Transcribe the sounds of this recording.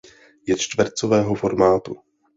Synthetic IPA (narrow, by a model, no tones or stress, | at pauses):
jɛt͡ʃt̪vrt͡sovɛːɦo̞fo̞ɾmaːt̪u